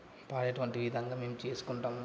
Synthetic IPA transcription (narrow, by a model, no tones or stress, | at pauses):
paːɾɐʈuʋɐɳʈiʋid̪ʱɐŋɡaːmeːmut͡ʃe̞ːsu̥kuɳʈaːm